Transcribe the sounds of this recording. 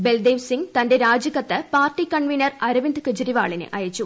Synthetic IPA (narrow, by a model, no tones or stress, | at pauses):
beld̪eːʋsiŋɡt̪ɐnde̞ɾaːd͡ʑɐɣɐt̪ːɨpaːrʈikɐɳʋinɐrɐɾɐʋind̪kɨd͡ʑɐɾiʋa̰ːɭinɨ̰ʔɐjɐt͡ɕːu